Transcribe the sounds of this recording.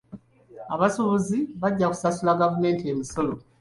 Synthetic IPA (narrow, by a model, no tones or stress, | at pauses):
aβasoβoziβaɟːaku̥sasulaɡavume̞ːntieːmiso̞lo